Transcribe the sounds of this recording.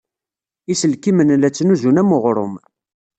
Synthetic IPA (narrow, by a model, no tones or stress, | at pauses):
isəlkimənlæt͡sːənuzunæmʊʁɾˤʊ̰m